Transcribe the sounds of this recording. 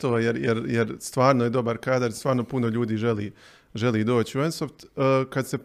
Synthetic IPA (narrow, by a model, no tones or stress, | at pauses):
t̪oːjeɾjeɾjeɾst̪ʋaːɾnoje̞d̪o̞baɾkaːd̪aɾst̪ʋaːɾno̞punoʎuːd̪iːʒeliː | ʒe̞liːd̪o̞ːt͡ɕiuensoft̪əkad̪se̞